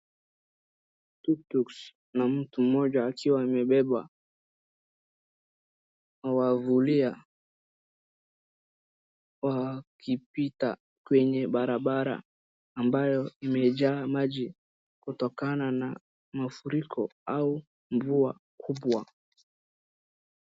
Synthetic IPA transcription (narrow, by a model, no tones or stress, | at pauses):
tutuks | nam̩tum̩ɔʄaːkʰiwaimɛɓɛɓa̰ | awavulia | wakʰipita̰ | kwɛɲɛɓaɾaɓaɾa̰ː | mbajɔimɛʄaːmaʄi | kutɔkanana | mafuɾikʰɔau | ɱvua | kʰuɓwa